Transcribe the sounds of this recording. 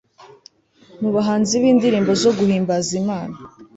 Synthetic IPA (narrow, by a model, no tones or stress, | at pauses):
muβaɦaːnziβiːndiɾiːmbo̞zo̞ɡuhiːmbazimaːna